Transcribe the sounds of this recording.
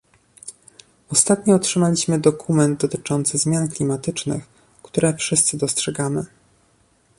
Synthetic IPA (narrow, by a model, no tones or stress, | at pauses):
ɔst̪at̪ɲɔɔtʂɘmalʲiɕmɘd̪ɔkʰumɛnd̪̚d̪ɔt̪ɘt͡ʂɔnt̪sɘzmʲjanklʲimat̪ɘt͡ʂnɘ̰x | kt̪uɾɛfʂɘst̪sɘd̪ɔstʂɛɡamɘ